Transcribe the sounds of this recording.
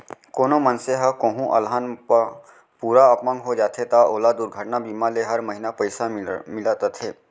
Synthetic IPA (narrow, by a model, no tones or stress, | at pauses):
koːnomənseɦɐkõːɦũʔɐ̰lɦanp | puːɾaəpmə̃ŋɡɦod͡ʒaːt̪ʰet̪aoːlaːd̪ʊɾɡʱəʈnabiːmaleɦɐɾmɐɦɪnapəɪsamɪlat̪at̪ʰeː